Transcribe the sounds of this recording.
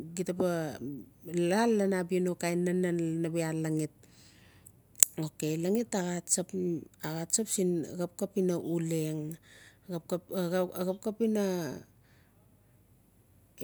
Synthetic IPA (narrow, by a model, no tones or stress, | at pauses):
ɡitapa | lalːanabionokajnːananabealaŋit̚ | okelaŋitaɣatsapaɣatsapsinɡap̚kapinaʔuleŋ | ap̚kaɣap̚kapina